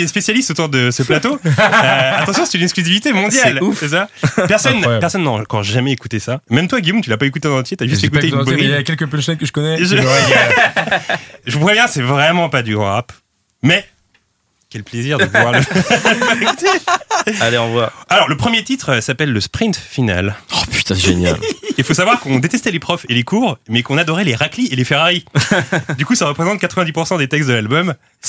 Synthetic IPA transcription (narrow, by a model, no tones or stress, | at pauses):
espesjalist̪ot̪uʁd̪əsəplat̪oøat̪ɑ̃sjɔ̃sɛ̥t̪ynɛksklyzivit̪emɔ̃d̪jaɛlusɛs̬apɛʁsɔnːpɛʁsɔnːɑ̃kɔʁʒamɛekut̪esamɛmt̪waɡʲijomt̪ylapaekut̪ed̪ɑ̃t̪t̪jet̪yaʒyst̪ekueynbiakʲɛlkəpɛnʃɛnkəʒəkɔnɛʒə | ʒupʁɛvjɛ̃sɛvʁɛmɑ̃pad̪yɡʁɑ̰̃ʁap | mɛ | kʲɛlpleziʁdəvwaʁləbkut̪ealeɑ̃vwaalɔʁləpχəmjet̪it̪χsapɛlːəspχĩnt̪fina̰lɔpy̥t̪ãsʒḛnja̰lifosavwaʁkɔ̃d̪et̪ɛst̪ɛlepχɔfelekuːʁmɛkɔ̃nad̪ɔʁɛleʁaklielefeʁaʁi | d̪ykusaʁəpχezɑ̃t̪̚kat̪χəvɛ̃d̪ipuʁsɑ̃d̪et̪ɛkst̪̚d̪əlalbɔm | s